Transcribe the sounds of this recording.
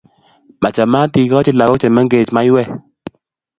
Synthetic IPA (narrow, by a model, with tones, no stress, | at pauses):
ma˨t͡ʃa˨ma˦ti˨kɔ˦t͡ʃɪ˦la˨kɔ˦t͡ʃɛ˨ma˦ŋɡe˨t͡ʃma˦ɪ˦wɛ˦˨